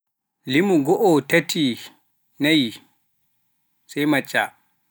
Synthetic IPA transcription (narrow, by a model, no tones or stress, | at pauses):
limuɡɔʔɔtatʰi | naj | sajmat͡ʃʼːa